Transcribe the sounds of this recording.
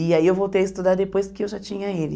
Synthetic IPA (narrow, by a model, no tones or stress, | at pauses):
iaiewvowt̪ejɐist̪ud̪aɾd̪epojskɪewʒat͡ʃĩɲɐelɪ